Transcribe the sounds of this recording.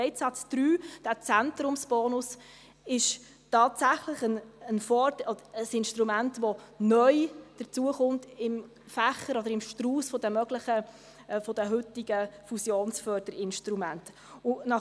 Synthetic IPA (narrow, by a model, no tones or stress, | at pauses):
ɛɪtsɑtt͡sd̥ɾyːd̥æːt͡sænt̪ɾʊmsb̥ɔːnʊs | ɪʃ | tɑːtsæχləχənənfɔːdɔdəəsɪnʃtɾumæntʋɔnœʏd̥ət͡suəχʊntɪm | fæχəɾɔdəɾɪmʃtruːsfɔd̥əmœɡ̥ləχə | fɔd̥əɦʏtiɡəfusjoːnsfœːɾd̥əɾɪnʃtɾumænt | ʊnɑ